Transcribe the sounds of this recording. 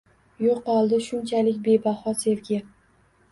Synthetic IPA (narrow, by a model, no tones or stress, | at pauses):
joqːɒlˠd̪ɪʃʊnt͡ʃʰalɪkʲbe̞bahɒse̞vɡʲɪ